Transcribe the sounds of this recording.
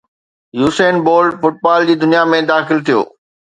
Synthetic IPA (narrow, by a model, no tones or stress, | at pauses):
juːseːnboːlɖfʊʈ̚baːld͡ʑiːd̪ʊnijamẽd̪aːxɪlt̪ʰijo̰ː